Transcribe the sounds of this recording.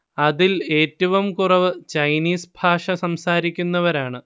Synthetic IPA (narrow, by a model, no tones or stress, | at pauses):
ɐðile̞ːtːɐʋɐmkurɐʋɨt͡ɕɐjniːsbʱaːʂɐsɐmsaːɾikʲːunːɐʋɐɾaːɳɨ